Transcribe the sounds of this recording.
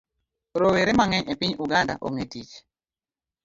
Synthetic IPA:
ɾoweɾemaŋɛɲepiɲuɡanda̰ʔo̰ŋetit͡ʃ

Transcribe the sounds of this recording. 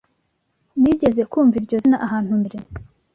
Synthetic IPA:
niɟe̞ze̞kuːɱviɾɟozinaʔaɦaːn̥humiɾe

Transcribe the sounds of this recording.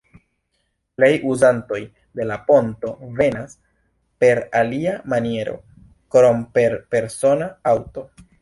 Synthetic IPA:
ple̞jʔuzanto̞j | de̞lapo̞nto̞ve̞nas | pe̞ɾaliamanie̞ɾo̞̰ | kɾo̞mpe̞ɾpe̞ɾso̞naawto̞

